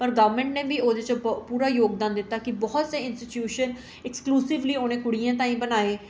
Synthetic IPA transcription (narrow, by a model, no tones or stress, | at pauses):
pəɾɡəʋəɾmɛ̃ɳʈnẽːbiːoːd̪eːt͡ʃəpuːɾaːjoːɡd̪ãːnd̪ɪt̪ːaːkɪbɔːt̪seːɪnsʈɪʈjuːʃən | ɪkskluːsɪʋliːoːnẽːkʊɽijãːt̪ãːĩːbənaːeː